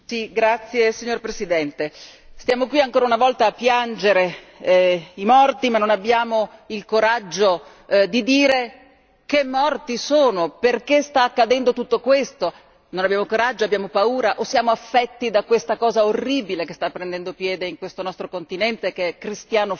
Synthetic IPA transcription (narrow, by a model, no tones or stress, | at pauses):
siɡɾat̪sːjesiɲːorpɾesid̪ɛnt̪est̪jaːmokwiaŋkoːɾaunavɔlt̪aːpːjand͡ʒeɾe | imɔrt̪imanːonabːjaːmoilkoɾad͡ʒːo | d̪id̪iːɾe | kemːɔrt̪isoːnoperkest̪aːkːad̪ɛnd̪ot̪ut̪ːokwest̪o | nonabjaːmokoɾad͡ʒːoabːjaːmopauːɾaʔosːjaːmoafːɛt̪ːid̪akwest̪akɔːzaorːiːbilekest̪apːɾend̪ɛnd̪opjɛːd̪eiŋkwest̪onɔst̪ɾokont̪inɛnt̪ekeɛkɾist̪jaːno